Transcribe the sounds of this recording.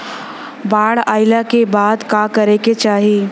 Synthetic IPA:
baːɽaːɪlakebaːd̪kakɐɾeket͡ʃaːɦiː

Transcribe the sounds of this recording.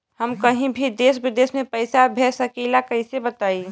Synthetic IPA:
həmkəɦĩbʱid̪eːsbɪd̪eːsmẽpəɪsabʱesəkilakəɦĩsebət̪aːi

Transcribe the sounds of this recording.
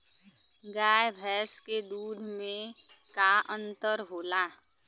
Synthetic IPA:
ɡaːjbʱɛːsked̪uːd̪ʱmẽkaʔə̃nt̪əɾɦoːlaː

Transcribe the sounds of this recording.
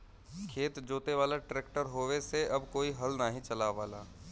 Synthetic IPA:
kʰeːt̪d͡ʒoːt̪eʋaːlaʈɾeːkʈəɾɦoːʋeseɐbkoːiɦɐlnaɦĩt͡ʃɐlaʋaːlaː

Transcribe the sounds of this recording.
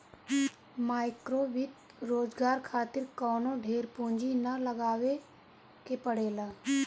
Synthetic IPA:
maːɪkɾoːʋɪt̪ | ɾoːd͡ʒɡaːɾkʰaːt̪ɪɾkɔːnõɖʱeːɾpõːɲd͡ʒinɐləɡaːwe | kepəɽeːlaː

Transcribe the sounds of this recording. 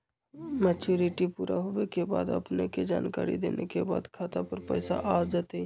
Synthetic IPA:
mɛt͡ʃuɾiʈipuɾaɦobekeba̰d̪ə̰pneked͡ʒa̰nkaɾḭd̪ḛnʔekebad̪kʰat̪apəɾpəɪsa̰ʔad͡ʒat̪e

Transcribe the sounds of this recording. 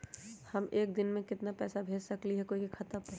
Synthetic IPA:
hɐmeːk̚d̪ɪnmẽkɪt̪napɛːsabʱeːd͡ʒsɐkliɦɛkoːiikʰɐt̪əbpɐ

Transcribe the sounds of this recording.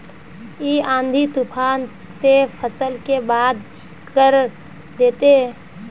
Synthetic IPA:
iãːnd̪ʱit̪upʰaːn | t̪epʰəsəlkebaːd̪ | kəɾ | d̪eːt̪e

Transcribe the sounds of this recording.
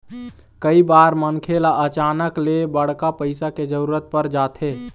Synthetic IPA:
kəibaɾmənkʰelaʔət͡ʃanəklebəɽ̤kapəɪsaked͡ʒəɾuːɾət̪̚pəɾd͡ʒat̪ʰe

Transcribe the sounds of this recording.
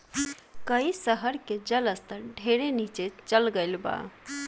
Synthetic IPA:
kəisəɦəɾked͡ʒələst̪əɾɖʱeɾenit͡ʃet͡ʃəlɡəɪlba̰

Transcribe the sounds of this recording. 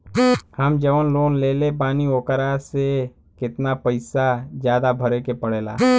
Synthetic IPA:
həmd͡ʒəʋənloːnleːlepaːnioːkəɾase | kɪt̪napəɪsad͡ʒjaːd̪abʱəɾekepəɽeːla̰ː

